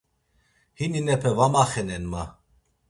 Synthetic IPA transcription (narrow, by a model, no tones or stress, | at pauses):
hininɛpʰɛvamaχɛnɛnma